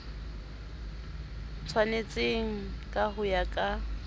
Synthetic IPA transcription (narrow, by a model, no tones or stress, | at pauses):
t͡sʰwanet͡sʼeŋ̩kʼaɦʊjakʼa